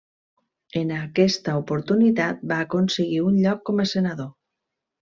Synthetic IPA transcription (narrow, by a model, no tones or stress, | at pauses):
enakɛst̪aopoɾt̪unit̪at̪̚baːkonseɣiunʎɔkːɔmasenaðo